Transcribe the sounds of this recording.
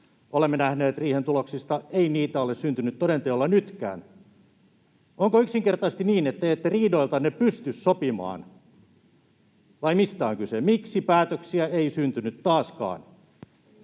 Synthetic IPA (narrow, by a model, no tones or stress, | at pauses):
olemːenæhneːt̪riːhent̪uloksist̪ɑeiniːt̪æolessynt̪ynyt̪todent̪eolːɑnyt̪kæ̰ːn | oŋkoyksiŋkert̪ɑst̪iniːnet̪ːæet̪ːeriːdoilt̪ɑnepyst̪yssopimɑ̰ːn | ʋɑimist̪æoŋkysemiksipæːt̪øksiæeisynt̪ynyt̪tːɑːskɑ̰ːn